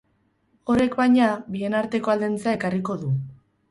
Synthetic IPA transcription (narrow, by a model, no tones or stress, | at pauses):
o̞ɾe̞kbajɲabie̞naɾt̪e̞ko̞ald̪ent͡saekariko̞ðu